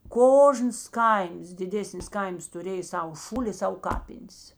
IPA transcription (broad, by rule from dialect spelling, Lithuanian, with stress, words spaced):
ˈkoːʒnɐs ˈkɐɪms dʲɪˈdʲeːsʲnʲɪs ˈkɐɪms tʊˈrʲeːj ˈsɐʊ ˈʃuːlʲɪ ɪ ˈsɐʊ ˈkɑːpʲɪnʲs